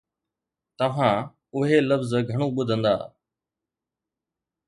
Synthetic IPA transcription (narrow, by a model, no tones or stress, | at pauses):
t̪əʋ̤ãː | ʊɦeːləfzɡʱəɳ̃õːɓʊd̪ʱə̃nd̪a̰ː